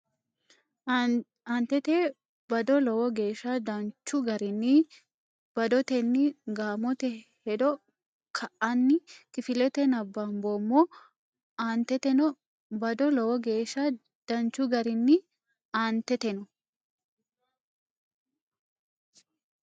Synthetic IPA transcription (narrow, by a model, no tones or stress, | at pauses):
aːnt̪ɛt̪eː | bɐd̪ɔlɔwɔɡe̞ːʃːɐd̪ɐnt͡ʃːʊɡɐɾɪnːɪ | b̥ɐd̪ɔt̪ɛnːɪɡaːmɔt̪ɛhɛd̪ɔ | kʰɐʔɐnːɪkɪfɪlɛt̪ɛnɐbːɐmboːmːɔ | aːnt̪ɛt̪ɛnɔ | bɐd̪ɔlɔwɔɡe̞ːʃːɐ | d̪̥ɐnt͡ʃːʊɡɐɾɪnːɪ | aːnt̪ɛt̪ɛnɔ